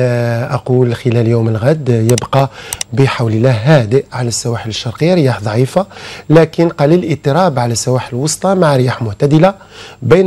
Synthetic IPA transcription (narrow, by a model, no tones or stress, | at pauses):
ʔɑqulxəlæljuməlɣæd̪jəbqɑbəħawləlːæhːæd̪əʔʕalæsːæwaħələʃːɑɾˤqəjːaɾəjaħd̪ˤɑʕifalækənqɑliləlʔət̪ˤːəɾɑbʕalæsːæwaħələwɑsˤt̪ˤɑmaʕɾəjaħmʊht̪æd̪əla | bən